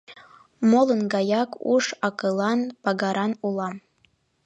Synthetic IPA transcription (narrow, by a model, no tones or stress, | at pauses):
molənɡɑjɑkṵʃɑkɤlˠɑnpɑɡɑɾɑnulˠɑm